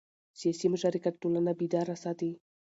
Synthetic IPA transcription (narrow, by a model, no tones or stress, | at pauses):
siasiməʃaɾikat̪̚d̪ulanabid̪aɾasat̪i